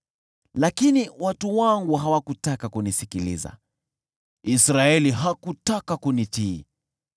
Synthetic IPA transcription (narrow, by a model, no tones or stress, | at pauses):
lakiniwatuwaŋɡuɦawakutakakunisikilḭza̰ | isɾaɛliɦakutakakunitiː